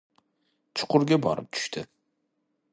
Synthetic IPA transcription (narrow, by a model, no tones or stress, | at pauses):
t͡ʃʰʊ̥qʰʊɾɡʲabɒ̰ɾɨ̰p̚t͡ʃ̪ʰʊ̥ʃt̪ʰɪ